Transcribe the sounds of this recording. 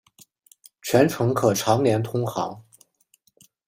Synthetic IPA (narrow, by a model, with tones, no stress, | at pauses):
t͡ɕʰɥɛ˧˥nʈ͡ʂʰɤ˧˥ŋkʰɤ˨˩ʈ͡ʂʰɑ˧˥ŋnjɛ˧˥nt̪ʰʊ˥ŋxɑ̰˧˥ŋ